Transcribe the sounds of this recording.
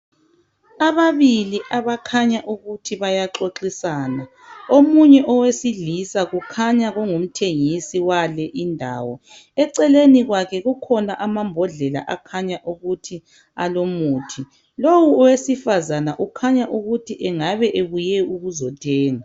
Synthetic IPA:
aβaβiliʔaβakʰaɲaʔuɣutʰiβajaǁoǁisaːna | omuɲɛʔɔwesiɮisaɣukʰaɲaɣɔŋum̩tʰeŋisiwalɛʔindʱa̰ːwɔ | ɛǀɛleniɣwakʰɛɣukʰɔnaʔamambʱɔɮɛla̰ʔakʰaɲaʔuɣutʰi | a̰lomuːtʰi | lowuɔwesifazanaʔukʰaɲaʔuɣutʰiʔɛŋaβɛʔeβujɛuɣuzɔtʰʼɛːŋa

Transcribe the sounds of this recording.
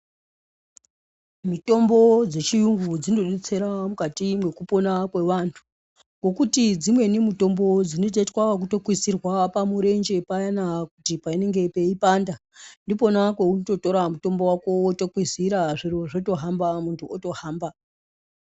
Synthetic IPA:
mito̞mbo̞d͡ze̞t͡ʃijuŋɡud͡zinoɗet͡se̞ɾamukatimwe̞kupo̞nakwe̞ʋantʰu̥ | ɡo̞kutid͡zimwe̞nemuto̞mbo̞d͡zino̞t̬etwak̬uto̞kwisirwapamuɾe̞nd͡ʒe̞pajanakutipaine̞ŋɡe̞pe̞ipandandipo̞nakwe̞unoto̞to̞ɾamuto̞mbo̞wako̞ːto̞kwiziɾaʐiro̞ʐoto̞ɦambamuntʰuoto̞haːmba

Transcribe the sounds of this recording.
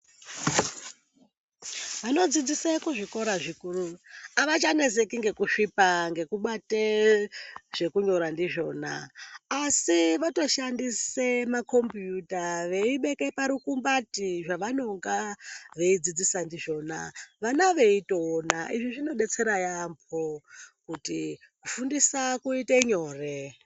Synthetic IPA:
ʋano̞d͡zid͡zisekuʐiko̞ɾaʐikuruaʋat͡ʃane̞se̞kiŋɡe̞kuʂipaŋɡe̞kuɓate | ʐ̥e̞kuɲo̞ɾandiʐo̞ːna̰ː | siʋato̞ʃandisemako̞mpjutaʋe̞iɓe̞kepaɾukumbatiʐaʋano̞ŋɡaʋe̞id͡zid͡zisandiʐo̞ːna̰ʋanaʋe̞ito̞ːnaʔiʐiʐino̞ɗe̞t͡se̞ɾajampʰokuti | kufundisakuiteɲo̞ːre

